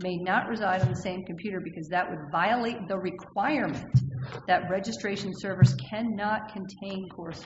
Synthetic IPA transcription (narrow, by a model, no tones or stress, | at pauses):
meɪnəʔɹɨzaɪɾn̩ðəsẽɪ̃mkʰmpʰj̥ʉɾə˞bɨkʰʌzðɨʔwədvaɪəleɪt̪̚ðəɹɨkʰw̥aɪəɹmɨ̃nðɨt̚ɹɛd͡ʒɨstɹ̥eɪʃn̩sɜ˞vəskʰæ̃nːɑt̚kʰɨ̃ntʰẽɪ̃nkʰɔɹs